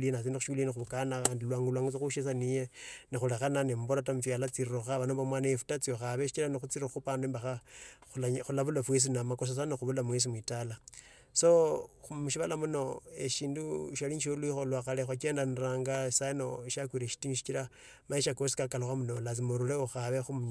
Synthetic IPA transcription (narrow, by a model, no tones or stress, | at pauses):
linat͡siːndixuʃulinixuβukanaandilwaːŋɡulwaːŋɡut͡soxuʃesanijenixulexananemboɾatamufjalat͡sirroxaβanombomwanajefu̥tat͡sioxaβeʃi̥t͡ʃiɾanixut͡siɾixupaneːmbaxaulaxulaβulafwes̬inamakos̬as̬anoxuβulamwes̬imwitala | so̞umuʃiβalamunoḛʃiːnduʃaliɲʃoluixolwaxalexwakeːndaniraːŋɡḁsano̞ʃakwiɾeʃi̥tiniʃi̥t͡ʃiɾa | maeʃakosi̥kakaloxamunolat͡simoɾuleoxaβexumuɲ